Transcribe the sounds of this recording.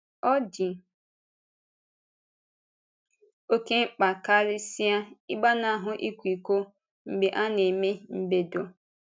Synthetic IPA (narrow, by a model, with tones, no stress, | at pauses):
ɔ˦d͡ʒɪ˨ | o˦ke˦ŋ͡m̩˦k͡pa˨ka˦ɾɪ˦si˦a˦ɪ˦ɡ͡ba˦na˨a˨ɦʊ˨ʔi˦kʷu˨i˨kʷo˦ | ŋ͡m̩˨ɡ͡be˨ʔa˦ne˨me˦m̩˦˨be˨do˨